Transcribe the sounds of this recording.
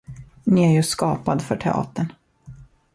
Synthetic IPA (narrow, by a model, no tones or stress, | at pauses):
nɪæɾjɵskɑːpad̪fœʈʰɛ̰ɑ̰ːt̪əɳ